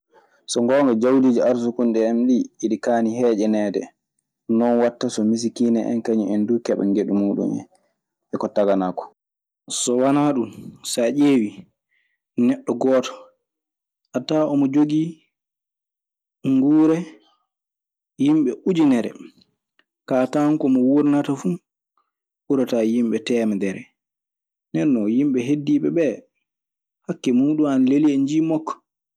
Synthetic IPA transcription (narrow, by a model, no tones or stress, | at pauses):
sɔŋɡɔːŋɡɔd͡ʒawdiːd͡ʒiaɾs̬ukunɗɛɛmɗiiɗikaːnihɛːd͡ʒɛnɛːdɛ̰ | nɔnwatːasɔmis̬ikiːnɛʔɛ̰nkaɲiɛndukɛɓɛ̰nɡeɗumuːɗṵnɛ̰n | ɛkɔtaɡanakɔ̥ | sɔwanaɗunsaʔeːwi | nɛɗːɔɡɔːtɔ̥ | ʔataɔmɔd͡ʒoɡi | ŋɡuːɾɛ | jimɓɛʔud͡ʒinɛɾɛ̰ | kataŋkɔmɔwuɾnatafu | uɾatajimɓɛtɛːmɛdɛɾɛ | nɛnːɔjimɓɛɦedːiːɓɛbɛ | hakːɛmuːɗumanleliɛɲd͡ʒiːmɔkːɔ̥